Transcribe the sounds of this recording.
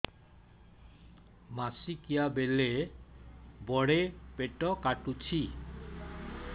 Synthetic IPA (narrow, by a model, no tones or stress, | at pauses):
masikijabele | bɔɽepeʈɔkaʈut͡ɕʰi